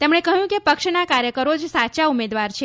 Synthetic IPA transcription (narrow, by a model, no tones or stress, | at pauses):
t̪emɳekəɦjũkepəkʃnakaɾjəkəɾod͡ʒsat͡ʃaumed̪ʋaɾt͡ʃʰe